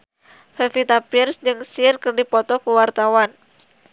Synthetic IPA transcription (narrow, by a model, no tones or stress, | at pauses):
fɛfit̪apirsd͡ʒɨŋsirkərdipɔt̪ɔkuwart̪awan